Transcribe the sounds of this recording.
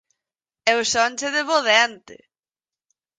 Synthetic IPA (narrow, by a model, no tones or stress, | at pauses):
ɛwsɔnʲt͡ʃeðeβoðɛnt̪ɪ̰